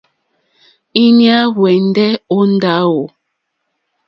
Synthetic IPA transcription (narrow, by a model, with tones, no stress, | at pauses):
i˦nja˦wɛ˨n˦dɛ˦o˦n˦da˦wo˨